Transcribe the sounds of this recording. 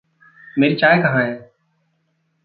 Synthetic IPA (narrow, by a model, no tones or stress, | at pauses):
meːɾiːt͡ʃaːekəɦãːɦẽː